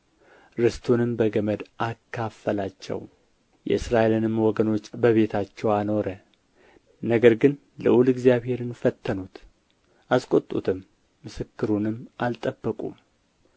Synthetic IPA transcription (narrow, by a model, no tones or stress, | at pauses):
ɾɨst̪ʰonɨmbəɡəməd̪ʔakʰːafːəlat͡ʃːɛ̰w | jɛ̰ɨsɾaʔelɨnɨmwɔɡəno̞t͡ʃːbəβe̞t̪ʰat͡ʃːɛwano̞ɾə | nəɡəɾɡɨn | ləʔulɨɡzjaβhe̞ɾɨnfət̪ʰːənut̪ | ʔaskʼot̪ʼṵt̪ʰɨmː | ɨsɨkːɨɾunɨmʔalt̪ʼəbːəkʼṵm